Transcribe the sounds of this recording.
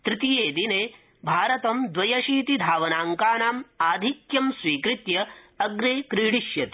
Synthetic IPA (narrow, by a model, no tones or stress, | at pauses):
t̪ɾɪt̪ijeːd̪ineː | bʱaːɾɐt̪ɐmd̪ʋɐjɐʃiːt̪id̪ʱaːʋɐnaːŋkaːnaːmaːd̪ʱikjɐmswiːkɾit̪jɐ | ɐɡɾeːkɾiːɽiʃjɐt̪i̥